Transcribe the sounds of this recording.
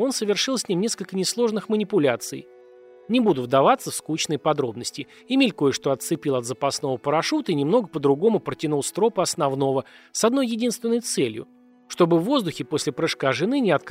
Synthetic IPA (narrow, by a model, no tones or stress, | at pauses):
o̞nsəvʲɪrʂɨlˠsʲnʲimnʲe̞skəlʲkənʲɪslˠo̞ʐnɨxmənʲɪpʊlʲat̪sɨ̰j | nʲɪbud̪ʊvd̪ɐvat̪sːəfskut͡ɕnəjpɐd̪ɾo̞bnəsʲtʲɪ | ɪmʲelʲkojɪʂt̪o̞ɐt̪sɨpʲilˠɐd̪zəpɐsno̞vəpəɾɐʂut̪əinʲɪmno̞ɡəpəd̪ɾʊɡo̞mʊpɾətʲɪnulˠst̪ɾo̞pəɐsnɐvno̞vəsɐd̪no̞jːɪdʲinst̪vʲɪnːəjt̪sɛlʲjʊ̰ | ʂt̪o̞bɨvːo̞zd̪ʊxʲɪpo̞sʲlʲɪpɾɨʂkaʐɨnɨnʲɪɐt̪̚k